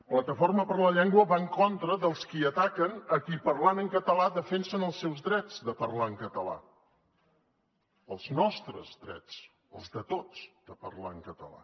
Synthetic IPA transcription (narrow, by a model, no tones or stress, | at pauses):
plət̪əforməpəɾləʎɛŋɡwəβaŋkont̪ɾəðəlˠskiət̪akənəkipərlanəŋkət̪əlaðəfɛnsənəlˠsɛwzðɾɛd͡zðəpərlaəŋkət̪əla̰ | əlˠznɔst̪ɾə̰zðɾɛ̰t͡s | əlˠzðət̪ot͡sd̪̥əpə̰rlaəŋkət̪ə̰la̰